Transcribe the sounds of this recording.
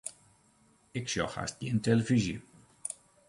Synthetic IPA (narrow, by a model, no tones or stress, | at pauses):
ɪkʃɔ̰xa̰sd̥ʲintʰɛləviʒi